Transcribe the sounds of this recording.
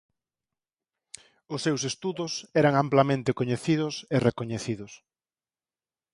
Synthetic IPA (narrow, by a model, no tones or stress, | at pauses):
ʊsːewsest̪uðʊsɛɾaŋamplamẽnt̪ɪkoɲeθiðʊserekoɲeθiðʊs